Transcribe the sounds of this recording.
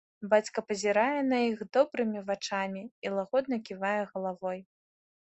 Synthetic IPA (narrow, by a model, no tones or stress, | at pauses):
bat͡sʲkɐpɐzʲiɾajɛnɐjixd̪ɔbɾɨmʲivat͡ʂamʲiːlˠaɣɔd̪̚nɐkʲivajɛɣɐlˠavɔj